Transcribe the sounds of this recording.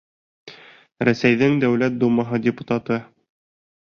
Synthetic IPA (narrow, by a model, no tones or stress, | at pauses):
ɾæsæjðɘŋd̪æwlæt̪̚d̪umɑɦɤdʲɪput̪at̪ɤ